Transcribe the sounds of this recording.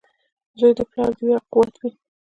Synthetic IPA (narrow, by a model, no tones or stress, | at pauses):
zojd̪əplɑɾd̪əwaquwat̪ʰwi